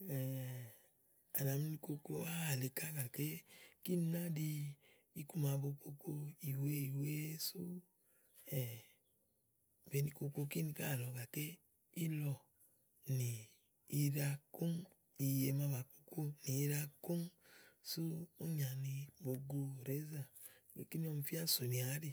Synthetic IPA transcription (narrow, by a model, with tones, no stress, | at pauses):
ɛ˨ | a̰˨na˨mi˧˦ni˧ko˧ko˧˦a˦a˨le˨ka˦ɡa˨ke˦ki˦n˧˦na˦di˧ | i˦ku˦ma˨bo˧ko˧ko˧i˨we˦i˨we˦su˦ | ɛ˨ | be˨˧ni˧ko˧ko˧ki˦ni˧ka˦˨lɔ˨ɡa˨ke˦ | i˦lɔ˧ | niː˨˧ | ɾa˧ku˦ŋ | i˨je˧ma˧ba˨ko̥˧ko˦ni˨i˧ɾa˧ku˦ŋsu˦u˦ɲa˨ni˧bo˧ɡo˧˨ɾe˨˦za˦˨e˨ki˦ni˦ɔ˧m˧fi˦a˦so˨ni˨a˨˦ɾi˨